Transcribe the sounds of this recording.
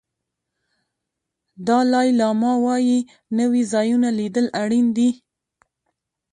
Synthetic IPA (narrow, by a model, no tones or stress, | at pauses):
d̪ɑlɑjlɑmɑwɑji | nəwizɑjunalid̪əlaɽind̪i